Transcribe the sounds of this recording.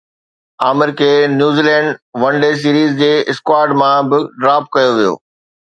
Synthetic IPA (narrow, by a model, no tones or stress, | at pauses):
aːmɪɾkʰeːnjuːziːlɛ̃ːɳɖʋɐ̃ɳɖeːs̬iːɾiːzd͡ʑeːɪskwaːɾɖmãbɪɖɾaːp̚kɐjoʋijo̰ː